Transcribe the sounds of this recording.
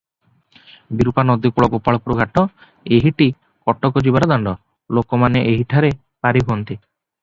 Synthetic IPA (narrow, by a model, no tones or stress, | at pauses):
biɾupanɔd̪ikuɭɔɡopaɭɔpuɾɔɡʱaʈɔ | eɦiʈi | kɔʈɔkɔd͡ʒibaɾɔd̪aɳɖɔ | lokɔmaneʔeɦiʈʰaɾe | paɾiɦuɔnt̪i